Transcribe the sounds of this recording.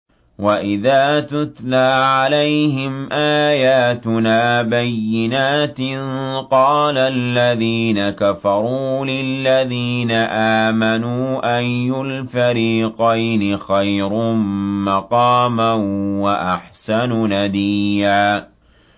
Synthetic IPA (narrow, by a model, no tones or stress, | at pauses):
waʔɪðaːt̪ʊt̪laːʕalajhɪmʔaːjaːt̪ʊnaːbajːɪnaːt̪nqɑːlalːaðiːnakafɑɾˤuːlɪlːaðiːnaʔaːmanuːʔanjʊlfaɾiːqɑjnɪxajɾʊmɑqɑːmanwaʔaħsanunad̪iːjaː